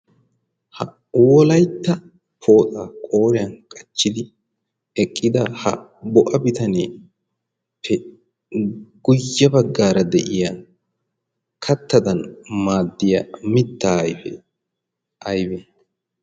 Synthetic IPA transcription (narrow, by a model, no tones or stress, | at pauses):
hɐ | wɔlɐjt̪ːɐ | pʰo̞ːt̪ʼaːkʼo̞ːɾɪjɐnkʼɐt͡ʃːɪd̪ɪ | ɛkʼːɪd̪ɐhɐ̰ | bɔʔɐbɪt̪ɐneː | pʰːɛ | ɡ̥ʊjːɐbɐɡːaːɾɐd̪ɛʔɪja | kʰɐt̪ːɐd̪ɐnmaːd̪ːɪjɐmɪt̪ːaːjfɛ̰ | ʔɐjbɛ